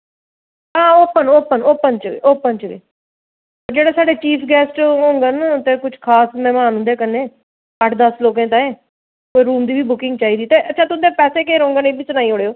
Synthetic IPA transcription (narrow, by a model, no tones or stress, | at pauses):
ɦãːoːpənoːpənoːpənt͡ʃəɡḛːʔoːpːənt͡ʃəɡḛː | ɾd͡ʒeːɽaːsaːɖeːt͡ʃiːpʰɡɛːsʈɦõːŋɡənt̪eːkʊt͡ʃʰkʰaːsmɛ̃ːmaːnɦʊ̃nd̪eɛːkənẽː | əʈʰd̪əsloːkẽːt̪ãːeː | koːiɾuːmd̪iːbiːbʊkɪ̃ŋɡt͡ʃaːiːd̪iːt̪eːʔətːt͡ʃʰaːt̪ʊd̪eːpɛːseːkeːɾõːŋɡənẽːbiːsʊnaːiːɦoɽeːoː